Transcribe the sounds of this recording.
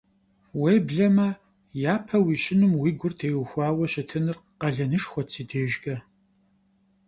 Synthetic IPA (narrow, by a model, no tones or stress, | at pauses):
weːbɮɐmɐ | jaːpʰɐwiːɕʼɪnɨmwiːɡʷʊrtʰeːwxʷɑːwɐɕʼɪtʰɨnɨrqɐɮɐnɨʃxʷɔt͡sʰiːtʰeːʒɡɐ